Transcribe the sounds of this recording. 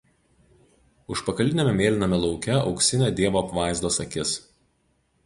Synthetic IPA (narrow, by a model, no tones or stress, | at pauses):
ʊʃpɐkɐlʲɪnʲemʲɛmʲeːlʲɪnɐmʲɛlˠɒʊkʲɛɒ̰ʊksʲɪnʲeːd̪ʲiɛʋoːɐpʋɑˑɪzd̪oːsɐkʲɪs